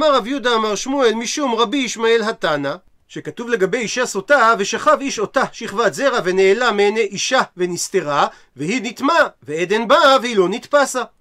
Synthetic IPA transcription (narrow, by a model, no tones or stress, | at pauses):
amaʁavjud̪aːmaʁʃmuelmiʃumʁabiːʃmae̞lɦat̪ana | ʃe̞kat̪uvle̞ɡabe̞jiʃasot̪ave̞ʃaχaviʃo̞t̪aʃiχvaze̞ʁaveneːlameeneʔiʃavenist̪e̞ʁa | vehinit̪maveed̪e̞nbavehilo̞nit̪pasa